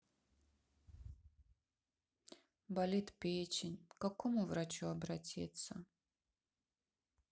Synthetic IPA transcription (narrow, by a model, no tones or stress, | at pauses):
balʲit̪pʲet͡ʃɪnʲkakomuvɾat͡ʃuɐbɾatʲḭt̪sɐ